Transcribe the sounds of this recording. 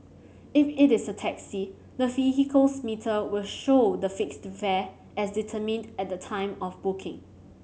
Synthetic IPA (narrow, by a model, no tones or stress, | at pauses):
ɪfɪtɪsətʰɛksi | dəviɦikʰəlsmitʰəwɪlʃodəfɪkstvɛ | ɛsditʰəmɪ̃ndɛt̚dətʰãɪ̃mɔfbʊkʰɪ̃ŋ